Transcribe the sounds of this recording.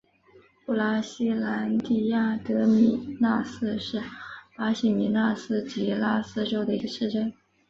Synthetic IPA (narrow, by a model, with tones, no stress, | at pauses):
pu˥˩la˥ɕi˥la˧˥nt̪i˥˩ja˥˩t̪ɤ˧˥mi˨˩na˥˧sɹ̩˥˧ʂɻ̩˥˩pa˧˥ɕi˨˩mi˨˧˥na˥˧sɹ̩˥t͡ɕi˧˥la˥sɹ̩˥˧ʈ͡ʂo˥ʊd̪ə˨i˧˥ɡə˧ʂɻ̩˥˧ʈ͡ʂə˥n